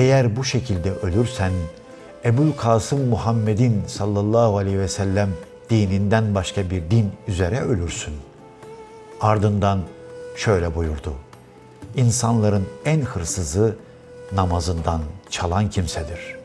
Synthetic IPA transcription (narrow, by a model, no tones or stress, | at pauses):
ejæɾbuʃecʰilʲd̪ɛʔø̞lʲyɾsæn | ebulʲkʰaːsɯmːuhamːed̪insɑlˠːɑlˠːaːhualʲehivɛsælʲːæm | d̪̥iːnind̪ænbaʃkabiɾd̪inyzeɾɛø̞lʲyɾsyn | aɾd̪ɯnd̪anʃø̞jlʲɛbujuɾd̪u | insanlˠaɾɯnænhɯɾsɯzɯ | namazɯnd̪ant͡ʃʰalˠancʰimsɛd̪iɾ̥